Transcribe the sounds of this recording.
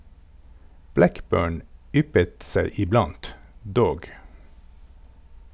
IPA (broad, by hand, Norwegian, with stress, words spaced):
ˈblækˌbøːɳ ˈʏpət ˈseɪ ɪˈblɑnt ˈdoːɡ